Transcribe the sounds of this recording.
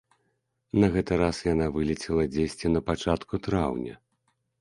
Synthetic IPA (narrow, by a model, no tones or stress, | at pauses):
nɐɣɛt̪ɨɾasjanavɨlʲit͡sʲɛlˠɐd͡zʲesʲt͡sʲinɐpat͡ʂat̪kut̪ɾawnʲɐ̰